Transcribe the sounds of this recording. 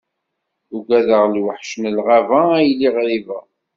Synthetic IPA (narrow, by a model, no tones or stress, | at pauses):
uɡʷæðəʁlwəħʃnəlʁavajlːiʁɾivæ